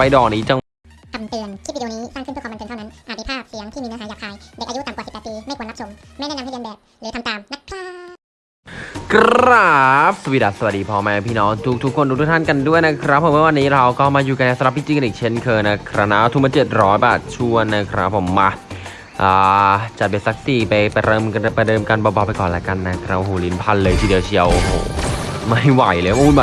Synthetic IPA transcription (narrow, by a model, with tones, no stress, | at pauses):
pa˧jdɔː˨˩k̚niː˦˥t͡ɕa˧ | k̪ʰa˧mt̪ɯ˧ənt̪ʰiː˥˩˨niː˦˥saː˥˩ŋkʰpʰːm˧nkːnt̪ʰna˦˥nʔa˨˩miː˧˩pʰaː˥˩p̚si˩˦əŋt̪ʰiː˥˩miː˧naː˧˥aː˨˦jaː˨˩k̚ʰːaː˧jde˨˩k̚ʔa˧˦u˦˥t̪a˨˩mkaː˨si˨˩p̪̚ːpiː˧ma˥˩jku˧˩əna˥p̚so˨˦m | ma˥˩jnɛː˥˩na˧mha˥˩˧a˧nbɛː˨˩p̚lːk̪ʰa˧mt̪aː˨˩mna˦˥t̚pʰaː˥˩ | kʰɾɾa˦˥˦p̚sa˧wiː˧˩da˨˩sa˧wa˨˩diː˧pʰɔː˧mɛ˧pʰiː˧˥˩nɔː˦˥ŋt̪ʰu˦˥k̚t̪ʰu˦˥kʰːo˧nduː˧˩u˥˩t̪ʰa˥˨nka˧ndu˥˩əjna˦˥kʰɾa˦˥pʰːo˨˩˦mɯ˥˨wa˧nːiː˦˥ɾwkɔː˥˩maː˧juː˨˩ka˧na˧˩sa˧mɾa˨˩p̚ʰːi˧˩t͡ɕiː˧ka˧ʔiː˨˩kt͡ɕʰe˦˥˩nkʰɤː˧na˦˥kʰɾa˧˥na˦˧˥wt̪ʰu˨˩mː˧˦t͡ɕe˨˩t̪̚ɾɔː˦˥jbaː˨˩t̪̚t͡ɕʰu˥˩ənːa˦˥kʰɾa˦˥pʰːo˨˩˦mːa˧ | ʔaː˨˩t͡ɕa˨˩t̪̚be˨˧˩sa˦˥k̚t̪iː˧˩pa˧jpa˧jɾɤː˧m˧pa˧jdɤː˧mka˧nbɔː˧˩bɔː˧˩pːa˧jkɔː˨˩lɛ˦˥ka˧nːa˦˥kʰɾa˦˥p̚ɦoː˧˩li˨˦npʰa˧nlɤː˧jt̪ʰiː˧di˧əwt͡ɕʰi˧˩əwɦo̰ː˨˩ma˥˩jwa˨˩˦jləː˧˩jma˧u˧nba˨˩